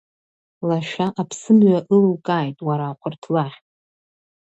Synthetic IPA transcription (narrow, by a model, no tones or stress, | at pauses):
laʃᶣaʔapʰsɨmɥaʔɨllkʼaːjtʼwaɾaːχʷʰʊrtʰlaħ